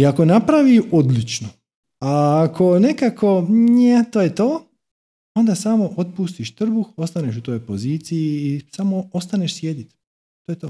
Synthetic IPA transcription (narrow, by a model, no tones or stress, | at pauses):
iakonapɾaʋiod̪lit͡ʃno | aːkʰo̞ne̞kakʰonet̪oːjet̪oː | o̞nd̪asamo̞ʔot̪̚pust̪iʃt̪r̩buxo̞st̪aneʃut̪ojpoziːt̪sijiːsamoo̞st̪aneʃsje̞d̪it̪ | t̪oːjet̪oː